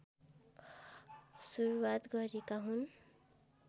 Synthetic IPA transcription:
suɾuwat̪ɡʌɾekaɦun

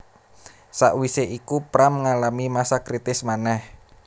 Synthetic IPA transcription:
sa̰ʔwiseʔikupɾaməŋalamimasakɾit̪ɪsmanɛh

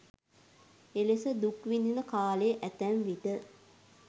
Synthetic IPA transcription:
elesəd̪ukʋininəkaːlejəʔæt̪ænʋiʈə

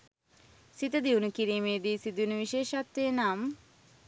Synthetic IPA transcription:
sit̪əd̪iʋunukiɾiːmeːd̪iːsid̪uunuʋiʃeːʃat̪ːenam

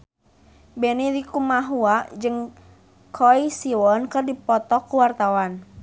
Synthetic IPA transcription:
bɛniɾikumaɦuaʔd͡ʒɨŋ | kʰɔisiwɔnkɨrdipɔt̪ɔkuwart̪awan

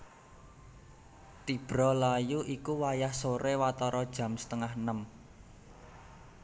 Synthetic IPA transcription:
t̪ib̥ɾɔlajuʔikuwajahsoɾewat̪ɔɾɔd̥ʒ̥ä̤msə̥t̪əŋahnəm

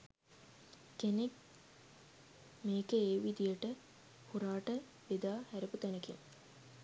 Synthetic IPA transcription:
kenek | meːkəeːʋid̪ijəʈə | huɾaːʈə | ʋed̪aːhæɾeput̪ænəkiŋ

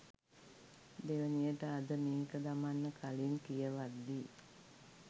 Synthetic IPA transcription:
d̪eʋənijəʈəad̪əmeːkəd̪amanːəkʰalinkijəʋad̪ːi

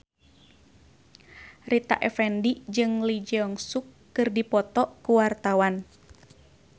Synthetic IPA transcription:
rit̪a̰ʔɛfɛndid͡ʒɨŋlid͡ʒɛɔŋsukːɨrdipɔt̪ɔkuwart̪awan

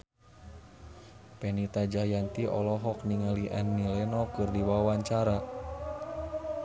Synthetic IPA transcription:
pɛnit̪ad͡ʒajant̪iʔɔ̰lɔɦɔk̚niŋaliʔa̰nːilɛnɔkɨrdiwawaɲt͡ʃaɾa

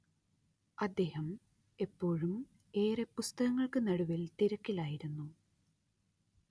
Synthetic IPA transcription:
ɐd̪ːe̞ːhɐm | e̞pːo̞ːɻum | e̞ːɾepːust̪ɐɣɐŋːɐɭkɨnɐɽuʋilt̪iɾɐkːilaːjiɾunːu

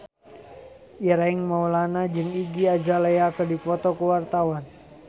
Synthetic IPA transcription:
iɾaiŋmaulanad͡ʒɨŋiɡiad͡ʒalajakədipɔt̪ɔkəwart̪awan

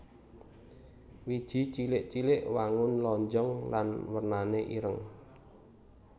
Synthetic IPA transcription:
wid̥ʒ̥i̤t͡ʃilɪʔt͡ʃilɪʔwaŋʊnlɔɲd͡ʒɔŋlanwərnaneʔḭɾəŋ

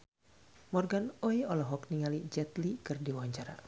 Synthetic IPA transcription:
mɔrɡanɔjɔlɔɦɔkniŋalid͡ʒɛt̪likɨrdiwaɲt͡ʃaɾa̰

